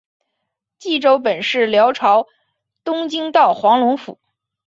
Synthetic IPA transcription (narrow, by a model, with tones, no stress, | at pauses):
t͡ɕi˥˩ʈ͡ʂo˥ʊp̬ə˨˩nʂɻ̩˥˩ljɑ˧˥ʊʈ͡ʂʰɑ˧˥ʊ | t̪ʊ˥ŋt͡ɕi˥ŋt̪ɑ˥˩ʊxwɑ˧˥ŋlʊ˧˥ŋfṵ˨˩˦